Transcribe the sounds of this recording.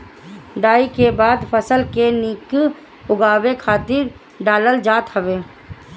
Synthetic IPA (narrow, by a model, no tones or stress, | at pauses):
ɖaːikebaːd̪pʰəsəlkenik | ʊɡaːwekʰaːt̪ɪɾ | ɖaːləld͡ʒaːt̪ɦəbeː